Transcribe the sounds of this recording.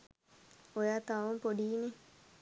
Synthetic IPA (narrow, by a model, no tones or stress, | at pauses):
ojaːt̪aʋumpoɖiːne